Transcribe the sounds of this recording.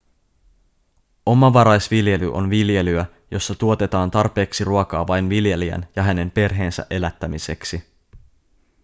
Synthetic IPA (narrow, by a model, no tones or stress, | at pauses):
ʔo̞mɑʋɑɾɑjsʋilje̞lyʔo̞̰nʋilje̞lyæ | jo̞sːɑt̪uo̞t̪e̞t̪ɑːnt̪ɑrpe̞ːksiruokɑːʋɑjnʋilje̞liæ̰njɑɦæne̞mpe̞rɦe̞ːnsæ̰ʔe̞læt̪ːæmise̞ksi